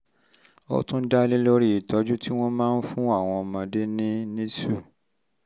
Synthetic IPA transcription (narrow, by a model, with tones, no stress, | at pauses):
o̰˧tũ˦n̩˦da˦li˦lo˦ɾi˦˨i˨tɔ˨˦d͡ʒũ˦tʰi˦w̃ɔ̃˦mãː˦˧n̩˦fũ˦a˦˨w̃ɔ̃˧ɔ˧mã˧de˦nĩ˦nĩ˦su˦˨